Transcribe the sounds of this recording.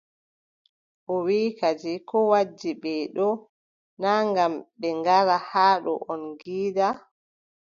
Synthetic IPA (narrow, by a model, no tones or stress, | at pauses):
ʔɔwiːkad͡ʒikɔwad͡ʒːiɓɛɗɔ | naŋɡamɓɛŋɡaɾahaːɗɔ̰ʔɔnɡiːda